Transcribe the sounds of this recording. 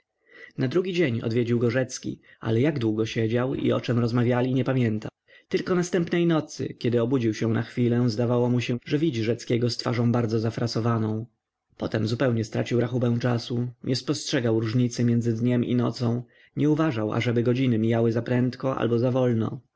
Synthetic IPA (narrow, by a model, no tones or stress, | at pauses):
nad̪ɾuɡʲid͡ʑeɲɔ̰d̪vʲed͡ʑiwɡɔʐɛt̪skʲḭa̰lɛjaɡd̪wuɡɔɕɛd͡ʑawḭɔ̰t͡ʂɛmɾɔzmavʲjalʲiɲɛpamʲjɛnt̪a | t̪ɘlkɔnast̪ɛmpnɛjnɔt̪sɘ̰kʲɛd̪ɘɔbud͡ʑiwɕɛ̃naxfʲilɛzd̪avawɔmuɕɛʐɛvʲid͡ʑiʐɛt̪skʲɛɡɔst̪fa̰ʐɔ̃w̃baɾd̪zɔzafɾasɔvanɔ̃w̃ | pɔt̪ɛmzupɛwɲɛst̪ɾa̰t͡ɕiwɾaxubɛw̃t͡ʂasuɲʔɛspɔstʂɛɡawɾuʐɲit̪sɘmʲjɛndzɘd̪ɲɛmḭnɔ̰t̪sɔ̃w̃ | ɲɛuvaʐawa̰ʐɛbɘɡɔd͡ʑinɘmʲijawɘzapɾɛnt̪kɔʔa̰lbɔzavɔlnɔ̰